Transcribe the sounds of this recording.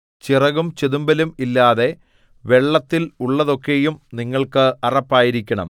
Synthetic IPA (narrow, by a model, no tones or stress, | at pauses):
t͡ɕirɐɣumt͡ɕeðumbɐlumilːaːðe̞ | ʋe̞ɭːɐt̪ːiluɭːɐðo̞kːe̞jumniŋːɐɭkɨɐrɐpːaːjiɾikʲːɐɳɐ̰m